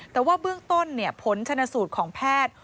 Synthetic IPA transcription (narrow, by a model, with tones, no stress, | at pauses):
t̪ɛː˨˩waː˥˩bɯ˥˩əŋt̪o˥˩nːi˥˩əpʰo˩˦nt͡ɕʰa˧nːa˧suː˨˩t̪̚kʰɔː˩˦ŋpʰɛː˥˩t̪̚